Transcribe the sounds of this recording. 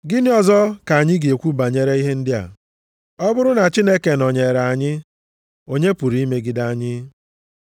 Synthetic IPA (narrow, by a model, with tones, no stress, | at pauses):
ɡɪ˦nɪ˦ɔ˦zɔ˦ka˨a˨ɲɪ˦ɡe˨kʷu˦ba˨ɲe˦ɾe˦i˦ɦe˦n̩˦dɪ˦a̰˨ | ɔ˦bʊ˦ɾʊ˦na˨t͡ʃi˦ne˦ke˨nɔ˨ɲe˨ɾa˨a˨ɲɪ˦ | o˦ɲe˦pu˨ɾi˦i˦me˦ɡɪ˨da˨a˨ɲɪ˦